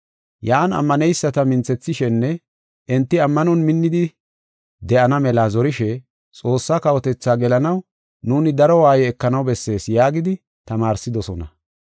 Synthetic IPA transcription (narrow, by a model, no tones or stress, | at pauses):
jaːnɐ̰mːɐnɛjsːɐt̪ɐmɪnt͡sːɛt͡sːɪʃɛnːɛ | ʔɛnt̪ːɪɐmːɐnɔnmɪnːɪd̪ɪ | d̪ɛʔɐnɐmɛlazɔɾɪʃɛ | t͡sʼo̞ːsːaːkɐwɔt̪ɛt͡sːaːɡɛlɐnɐw | nuːnɪd̪ɐɾɔwaːjɛɛkːɐnɐwbɛsːe̞ːsjaːɡɪd̪ɪ | t̪ɐmaːɾsɪd̪ɔsɔnɐ̰